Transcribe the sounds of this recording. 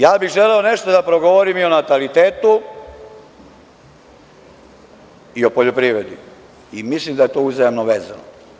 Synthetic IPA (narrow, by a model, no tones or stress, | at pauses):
jaːbiɣʒeleone̞ʃt̪od̪apɾo̞ɡoʋoɾimio̞nat̪alit̪eːt̪u | io̞poʎopɾiʋɾed̪i | imislimd̪aje̞t̪o̞ːuzajemnoʋeːzano̰